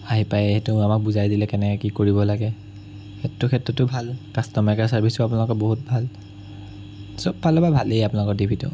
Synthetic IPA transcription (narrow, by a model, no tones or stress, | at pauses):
aɦipajeɦɛtʊamak̚buzajdilɛkɛnɛkɔkikoɹibɔlaɡɛ | xettʊkʰɛtɹɔtːʊbʱalkastɔmɛkasaɹbʱisʊapunalɔkɔboɦut̚bʱal | sɔb̚bʱalɔbabʱalejapʊnalɔkɔɹdibʰʱitʊ̰